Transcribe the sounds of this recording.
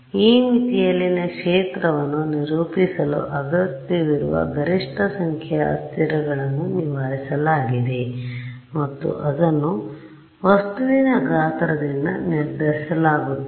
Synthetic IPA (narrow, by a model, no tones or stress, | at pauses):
iːmit̪ijɐlːinɐkʂeːt̪ɾɐʋɐnːuniɾuːpisɐlṵʔɐɡɐt̪ːiʋiɾuʋɐ̰ɡʱɐɾiʂʈʰɐsɐŋkʰɐjɐɐ̰st̪iɾɐɡɐɭɐnːuniʋaːɾisɐlaːɡid̪e | mɐt̪ːṵʔɐd̪ɐnːu | ʋɐst̪uʋinɐɡaːt̪ɾɐd̪inːɐ̰niɾd̪ɐɾisɐlaːɡut̪ːu